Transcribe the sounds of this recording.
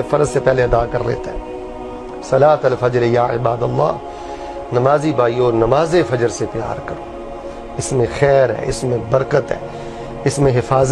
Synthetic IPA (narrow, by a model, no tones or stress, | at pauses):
ẽfɐɾzsepɛɦleɐd̪aːkɐɾlḛːt̪aɦɛː | sɐlaːt̪ɐlfɐd͡ʒɾjaːɪ̰baːd̪ɐlːa̰ː | nɐmaːzibʱaːiɔːɾnɐmaːzefɐd͡ʒəɾsepja̰ːɾkɐɾoː | ɪsmẽxɛːɾɦɛ̰ːɪ̰smẽbɐɾkət̪ɦɛ̰ː | ɪsmẽɦɪfaːz